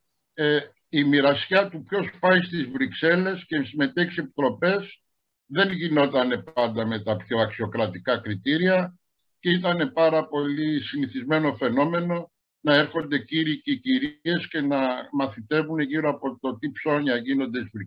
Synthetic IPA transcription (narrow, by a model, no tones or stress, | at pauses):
e | imiɾɐsçɐt̪upço̞spɐist̪izvɾikse̞le̞scesime̞t̪eçi̥se̞pi̥t̪ɾo̞pe̞s | ðe̞nʝino̞t̪ɐne̞pɐnd̪ɐme̞t̪ɐpço̞ɐksio̞kɾɐt̪ikɐkɾit̪iɾiɐ | ceit̪ɐne̞pɐɾɐpo̞lisiniθizme̞no̞fe̞no̞me̞no̞ | nɐe̞ɾxo̞nd̪e̞ciɾiceciɾie̞sce̞nɐmɐθit̪e̞vune̞ʝiɾoɐpo̞t̪o̞t̪ipso̞ɲɐʝino̞nd̪esvɾi